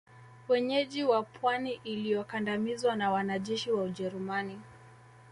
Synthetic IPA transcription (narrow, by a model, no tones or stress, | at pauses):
wɛɲɛʄiwapʰwaniʔilijɔkandamizwanawanaʄɛʃiwauʄɛɾumani